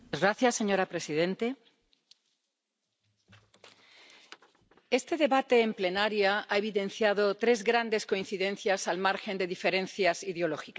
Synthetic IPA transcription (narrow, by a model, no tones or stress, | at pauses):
zɣɾaθjasːe̞ɲo̞ɾapɾe̞siðẽ̞nt̪e | e̞st̪e̞ðe̞βat̪e̞ːmple̞naɾjaae̞β̞iðẽ̞n̟θjaðo̞t̪ɾe̞zɣɾand̪e̞sko̞in̟θiðẽ̞nθjasalmaɾxe̞nd̪e̞ðife̞ɾẽ̞nθjasiðeo̞loxika